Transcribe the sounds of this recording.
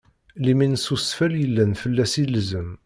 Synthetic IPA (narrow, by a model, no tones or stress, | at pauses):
liminsusfæljəlːænfəlːæsilzəm